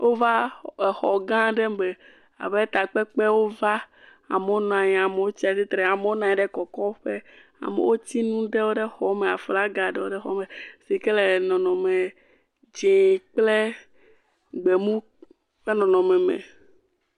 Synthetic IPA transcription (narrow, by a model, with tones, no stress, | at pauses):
wʔo˦va˦e˨xɔ˨ɡã˦ɖɛ˦be˨ | a̰˨βe˦t̪a˨k͡pɛ˦k͡pe˦wo˦va˦ | a̰˨me˨wo˦nã˨ɲ˨a˨me˨wo˦t͡ɕi˦a˨si˦t̪ɾe˨a˨me˦wo˦nã˨ɲɛ̃˨ɖɛ˦kɔ˨kɔ˦ɸe˦a̰˨mḛ˨wo˦t͡ɕi˦nũ˦ɖɛ˦wo˦ɖe˦xɔ˦mẽ˨a˨fla˦ɡa˨ɖɛ˦wo˦ɖe˦xɔ̰˦me˨si˨kɛ˦le˨nɔ̃˨nɔ̃˨me˨ | d͡ʒe˨k͡ple˦ | ɡ͡be˨mũ˦ | ɸe˦nɔ̃˨nɔ̃˨mɛ˨mɛ̰̃˨